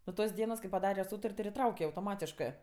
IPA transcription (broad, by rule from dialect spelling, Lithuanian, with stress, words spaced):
nuɔ ˈtoːs ˈdʲiɛnoːs kɐɪ pɐˈdɑːrʲɛ ˈsuːtɐrʲtʲ ɪr ɪˈtrɐʊkʲɛ ɐʊtoːˈmɑːtʲɪʃkɜ